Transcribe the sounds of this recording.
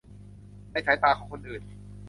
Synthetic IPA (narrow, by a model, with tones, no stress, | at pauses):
a˧˩t͡ɕʰaː˨˦jt̪aː˨˩kʰaː˨˦˩ko˧nʔɯː˨˩n